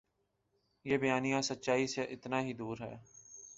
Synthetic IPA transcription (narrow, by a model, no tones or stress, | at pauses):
jeːbəjaːnijãːsət̪ːʃaːiːseʔɪt̪naːɦiːd̪uːɾɦɛ̰ː